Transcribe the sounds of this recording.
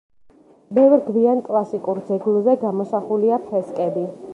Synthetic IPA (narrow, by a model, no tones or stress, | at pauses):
bɛvɾɡviankʼlˠasikʼuɾd̪zɛɡlˠzɛɡamɔsaχuliapʰɛskʼɛbi